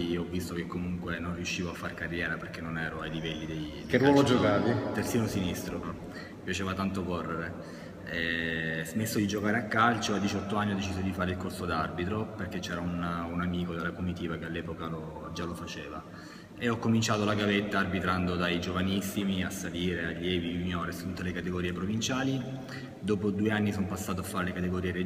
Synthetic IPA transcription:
ɔvːist̪okekːomuŋkwenonriuʃːiːvoafːarkarːjɛːɾaperkenːonɛːɾoajlivɛlːid̪ejdkerwɔlod͡ʒokaːvit̪ersiːnosinist̪ɾo | pjat͡ʃeːvat̪ant̪okorːeɾe | ɛzmesːod̪id͡ʒokaːɾeakːalt͡ʃoad̪ːit͡ʃɔt̪ːoanːiɔd̪ːet͡ʃiːzod̪ifaːɾeilkorsod̪arbit̪ɾoperket͡ʃːɛːɾaununamiːkod̪elːakomit̪iːvakealːɛːpokalod͡ʒalːofat͡ʃeːva | eɔkːomint͡ʃaːt̪olaɡavet̪ːaːrbit̪ɾand̪od̪ajd͡ʒovanisːimiasːaliːɾealːjɛːviuɲjɔːɾest̪ut̪ːelekat̪eɡoɾiːepɾovint͡ʃaːli | d̪oːpod̪uːeanːisompasːaːt̪oafːaːɾelekat̪eɡoɾiːeɾe

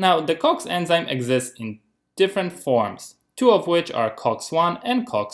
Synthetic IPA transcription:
naʊðɨkʰɔksɛ̃nzãɪ̃mʔɛ̰ɡzɪstsɪ̃n | d̥ɪfɹɨ̃ntfɔɹmz̥ | tʰuɔvwɪt͡ʃa̰ɹkʰɔkswʌ̃nɛ̃nkʰɔks

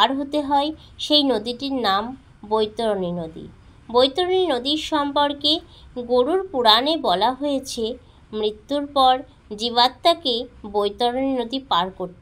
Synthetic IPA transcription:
aɾɦot̪eɦɔe | ʃejnod̪iʈiɾnam | bojt̪oɾoninod̪ḭ | bojt̪oɾoninod̪iɾʃɔmpoɾke | ɡoɾuɾpuɽanebɔlaɦojet͡ɕʰe | mɾit̪ːuɾpɔɾ | d͡ʑiβat̪ːakebojt̪oɾoninod̪ipaɾkoɾt̪e

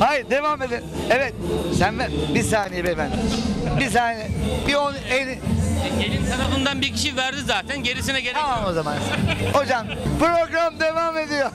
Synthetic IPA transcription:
hajiɾd̪e̞vaːme̞d̪eevɛt̪sænvæbisaːnijebefænd̪ibis̬aːneɛbionen | elʲinsanabund̪anbiɾcʰiʃivæɾd̪izaːt̪ʰænɟe̞ɾis̬inɛɟeɾʰamano̞zama̰nho̞d͡ʒampɾo̞ɡɾamd̪e̞vaːme̞d̪ijo

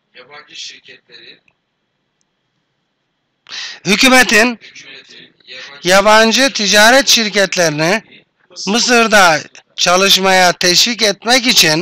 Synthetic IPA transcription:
hycymet̪ʰin | jaβand͡ʒɯt̪ʰid͡ʒaːɾɛt̪ʃiɾcɛt̪lʲeɾini | mɯs̬ɯɾd̪a | t͡ʃʰalˠɯʃmajat̪ʰɛʃvicɛt̪mɛcit͡ʃʰin

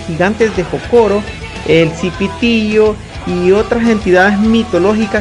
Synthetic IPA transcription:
iɣant̪esd̪ehokoɾo | elsipit̪iʝo | iot̪ɾasent̪iðaðesmit̪oloxika

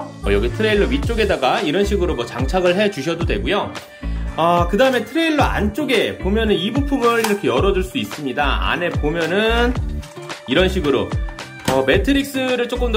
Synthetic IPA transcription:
ʌjʌɡitʰɯɾe̞iɭːʌwit͡ɕ͈oɡe̞daɡaiɾʌnɕʰiɡɯɾomwʌt͡ɕaŋt͡ɕʰaɡɯɭɦe̞t͡ɕuɕʰʌdodwe̞ɡujo | akɯdaɯme̞tʰɯɾe̞iɭːʌa̰nt͡ɕ͈oɡe̞pomjʌnɯnibupʰumʌɾiɾʌkʰe̞jʌɾʌd͡ʑuɭs͈uis͈ɯmɲidaa̰ne̞pomjʌnɯn | iɾʌnɕʰiɡɯɾo | ʌme̞tʰɯɾik̚s͈ɯɾɯɭt͡ɕ͈ok͈ɯmd

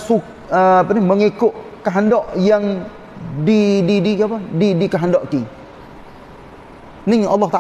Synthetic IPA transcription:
su | əapaniməŋikʊʔkaɦandɔʔjaŋ | dididikapadidikaɦandɔʔk̪i | nɪŋɑ̰lːɑht̪a

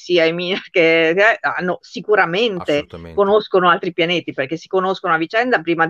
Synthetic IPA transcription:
siajminkeɛa̰nːosikuɾament̪ekonoskonoalt̪ɾipjaneːt̪iperk̟esːi̥konoskonoavit͡ʃɛnd̪apɾiːma

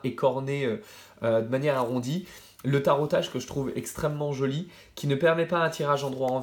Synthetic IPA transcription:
ekʰɔʁneø | ød̪əmanjɛʁaʁɔ̃d̪i | lət̪aʁɔt̪aʒkəʒət̪χuvɛ̰kst̪χɛmːɑ̃ʒɔli | kʲinəpɛʁmɛpaɛ̃t̪ʰiʁaʒɑ̃d̪ʁwaɑ̃v

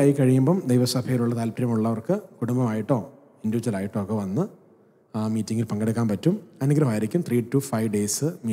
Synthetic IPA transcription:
aːjikːɐɻijumboːmd̪ejʋɐsɐbʱɐjiluɭːɐt̪aːlpiɾjɐmuɭːɐʋɐrkɨkuɽumbɐmaːjiʈːo̞ː | induʋit͡ɕːɐlaːjiʈːo̞ːkːeʋɐnːɨ | miːtːiŋɡilpɐŋɡeɽɨk̬ːaːnpɐtːumɐnuɡɾɐʋaːjiɾikʲːumt̪riːʈːufɐjʋɖeːsɨmiː

